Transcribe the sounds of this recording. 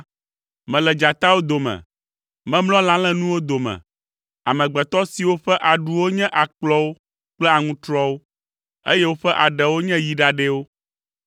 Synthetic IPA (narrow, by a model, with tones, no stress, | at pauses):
mɛ̃˨lɛ˨d͡ʒa˨t̪a˦wo˦d̪o˨mɛ̰̃˨ | mɛ̃˦mlɔ̃˦lã˦lɛ̃˦nũ˦wo˦d̪o˨mɛ̰̃˨ | a̰˨mɛ̃˨ɡ͡bɛ˨t̪ɔ˦si˨wo˦ɸɛ˦ʔa˨ɖu˨wo˦ɲɛ̃˦ʔa˨k͡plɔ˦wo˦ | k͡plɛ˦a˨ŋũ˦t̪ɾɔ˦wo˦ | e˦jɛ˦wo˦ɸɛ˦ʔa˨ɖɛ˨wo˦ɲɛ̃˦ji˨ɖa˨ɖɛ˦wo˦